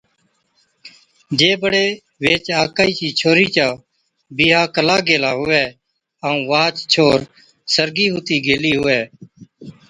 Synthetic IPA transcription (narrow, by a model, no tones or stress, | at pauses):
d͡ʒeːbəɽeː | ʋeːt͡ʃaːkaːiːt͡ʃiːt͡ʃʰoːɾiːt͡ʃaː | biːɦaːkəlaːɡeːlaːɦʊʋɛː | aũːʋaːt͡ʃt͡ʃʰoːɾ | səɾɡiːɦʊt̪iːɡʱeːliːɦʊʋɛː